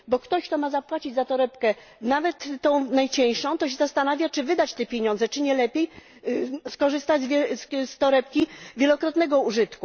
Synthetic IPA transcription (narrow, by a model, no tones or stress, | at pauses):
bɔkt̪ɔɕkt̪ɔmazapwat͡ɕid͡ʑzat̪ɔɾɛpkɛ | navɛt̪ːɔ̃w̃najt͡ɕɛ̃j̃ʂɔ̃w̃t̪ɔɕ̬ɛzast̪anavʲjat͡ʂɘvɘd̪at͡ɕt̪ɛpʲjeɲɔ̃nd̪zɛt͡ʂɘɲɛlɛpʲjej | skɔʐɘst̪ad͡ʑzvʲɛsst̪ɔɾɛp̚kʲivʲjɛlɔkɾɔt̪nɛɡɔuʐɘt̪ku